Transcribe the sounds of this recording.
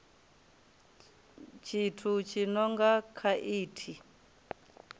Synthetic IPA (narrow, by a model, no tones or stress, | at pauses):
t͡ʃʰitʰut͡ʃʰinɔŋɡakʰaʔiːtʰi